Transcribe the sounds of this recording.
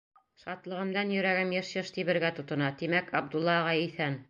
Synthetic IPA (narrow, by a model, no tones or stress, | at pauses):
ʃɑt̪lˠɤ̆ʁɤ̆md̪ɑnjɵ̆ɾæɡɘmjɘʃjɤʃt̪iβɘ̆ɾɡæt̪ŏt̪ɤ̆nɑt̪imækɑb̚d̪ulˠːɑʁɑjiθæn